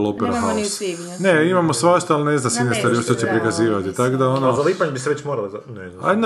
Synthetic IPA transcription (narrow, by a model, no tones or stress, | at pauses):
lo̞peɾahausi | neimamosʋaʃt̪oalˠine̞znamsinest̪aːɾijoʃt̪ot͡ɕepɾikaziːʋat̪it̪akod̪aonozaliːpaɲebiseʋet͡ɕmoɾalozanea̰jed̪n